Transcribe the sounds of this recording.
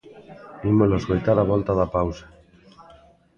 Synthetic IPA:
imoloskojt̪aɾaβ̞olt̪aðapawsḁ

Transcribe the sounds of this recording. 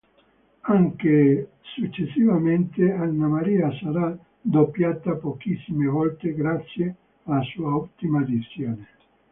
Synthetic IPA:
aŋke | sut͡ʃːesːivament̪eanːamaɾiːasaɾa | d̪opːjaːt̪apokisːimevɔlt̪eɡɾat̪sːje | alasuːaut̪ːimad̪it̪sjoːne

